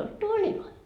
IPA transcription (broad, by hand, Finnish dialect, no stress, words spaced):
olt tuolʲiloi